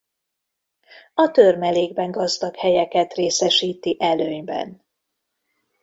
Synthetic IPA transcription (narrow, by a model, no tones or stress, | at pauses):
ɒt̪ørmɛleːɡbɛŋɡɒzd̪ɒkhɛjɛkɛt̪reːsɛʃiːt̪iʔɛløːɲbɛ̰n